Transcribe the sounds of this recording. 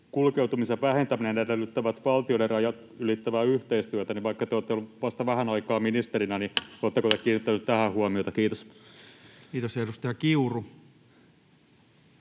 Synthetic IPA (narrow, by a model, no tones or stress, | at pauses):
kulkewt̪umiseʋʋæhent̪æminenedelːyt̪ːæʋæt̪ʋɑlt̪ioderrɑjɑt̪ | ylit̪ːæʋæyht̪eist̪yæt̪æniʋɑikːɑt̪eoːt̪ːeolːuʋɑst̪ɑʋæhænɑikɑːmminist̪eɾinænioːt̪ːekot̪ekiːnit̪ːænyt̪tæhæhuomiot̪ɑkiːt̪os | kiːt̪osedust̪ɑjɑkiuru